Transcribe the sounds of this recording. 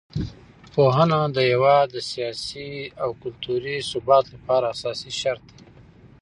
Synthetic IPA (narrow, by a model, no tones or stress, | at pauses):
poɦənad̪əjawad̪əsijɑsiawkʊlt̪uɾisʊbɑt̪lapɑɾaːsɑsiʃaɾt̪̚d̪e